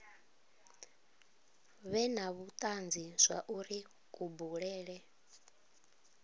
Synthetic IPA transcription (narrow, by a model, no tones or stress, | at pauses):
βɛnaβut̪ʼand͡zisʷa̰ʔuɾi | kʼubuɺɛːɺɛ